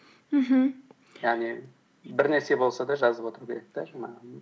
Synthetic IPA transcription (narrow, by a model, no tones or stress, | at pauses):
m̩ɦm̩ | jaʁni | bɪɾnʲeɾsebo̞lˠsɑd̪ɑʒɑzəpo̞t̪ɾkʲʰe̞ɾek̚t̪aʒɑmɑ